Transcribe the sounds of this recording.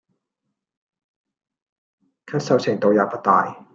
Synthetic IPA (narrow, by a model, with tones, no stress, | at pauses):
kʰɐ˥t̚sɐ˧˥wt͡ɕʰɛ˨˩ŋt̪o˧wjaː˨˩pa˧˥t̪a̰ː˨˧j